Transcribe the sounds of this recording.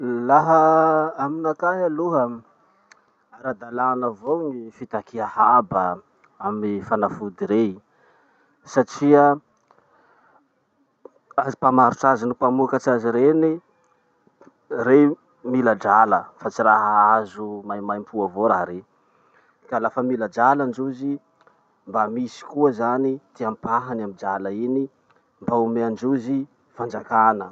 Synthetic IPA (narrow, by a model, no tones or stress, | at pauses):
laɦəaminakaɦaluɦə | aɾad̪alanavoŋifit̪akiahabə | amifanafud̪iɾe | saʈ͡ʂiə | azipamaɾuʈ͡ʂazinipamuakat͡ʃaziɾeni | re | milad͡ʒaləfat͡siɾaɦaazumajmajmpʰuavoɾaɦɾe | kalafəmilad͡ʒaland͡ʒuzi | mbamisi̥kuəzanit̪iampaɦanamid͡ʒalaini | mbaumeand͡ʒuzi | fand͡ʒakanə